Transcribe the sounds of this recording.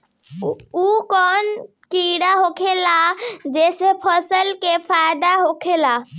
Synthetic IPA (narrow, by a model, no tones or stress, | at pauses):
ukɔːn | kiɽaɦokʰelad͡ʒeːsepʰəsəlkepʰajd̪aɦokʰela